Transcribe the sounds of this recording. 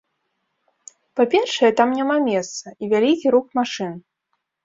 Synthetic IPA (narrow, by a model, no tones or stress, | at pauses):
papʲɛrʂɐjɛt̪amnʲamamʲɛst̪sɐʔivʲalʲikʲiɾukmaʂɨn